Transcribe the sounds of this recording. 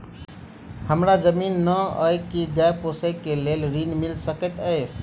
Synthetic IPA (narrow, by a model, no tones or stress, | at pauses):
həmɾad͡ʒəminːəəjkiɡajposekelelɾinmilsəkət̪əe